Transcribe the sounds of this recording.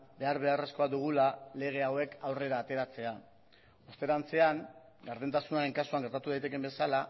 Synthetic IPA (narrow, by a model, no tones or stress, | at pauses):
be̞aɾβe̞are̞sko̞aðuɣ̞ulale̞ɣ̞e̞awe̞kawre̞ɾaːt̪e̞ɾat͡se̞a | ost̪e̞ɾant͡se̞aŋ | ɡaɾðent̪asunaɾe̞ŋkasuaŋɡe̞ɾt̪at̪uðajt̪e̞ke̞mbe̞sala